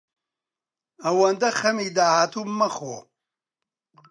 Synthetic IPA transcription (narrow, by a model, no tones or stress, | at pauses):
ɐwɐnd̪ɐxɐmiːd̪aːhaːt̪ʰumɐxwo̰